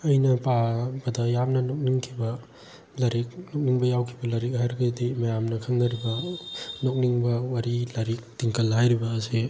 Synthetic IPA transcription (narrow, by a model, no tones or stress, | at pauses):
ɐjnɐpabɐdɐjamnɐnok̚niŋkʰibɐ | lɐɾik̚nok̚niŋbɐjawkʰibɐlɐɾik̚haɾɡɐdimɐjamnɐkʰɐŋnɐɾibɐnok̚niŋbɐwaɾilaɾik̚tiŋkɐlɦajɾibɐːsi